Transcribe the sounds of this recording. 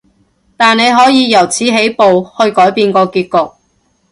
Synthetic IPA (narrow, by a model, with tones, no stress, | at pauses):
t̪aː˨ne˨˧jɦɔː˨˥jiː˨˧jɐ˨˩wt͡sʰiː˨˥ɦe˨˥jpo˨whɵ˧ɥkɔː˨˥jpiː˧nkɔː˧kiː˧t̚kʊ˨k̚